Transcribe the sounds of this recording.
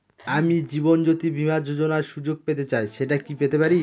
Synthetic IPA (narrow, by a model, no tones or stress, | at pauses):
amid͡ʑibond͡ʑot̪ibʱimad͡ʑod͡ʑonaɾʃud͡ʑoɡ̚pet̪et͡ɕaeʃeʈakipet̪epaɾi